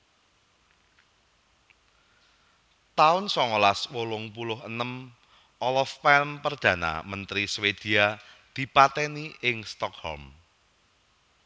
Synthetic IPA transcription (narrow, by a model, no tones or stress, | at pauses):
t̪aʊnsɔŋɔlaswolʊŋpulʊɦənəm | ʔɔlɔfːɛlmpərd̪̥ä̤na̰mənt̪ɾiswed̪̥i̤a | d̪̥i̤pat̪ɛniɪŋst̪ɔkhɔ̰lm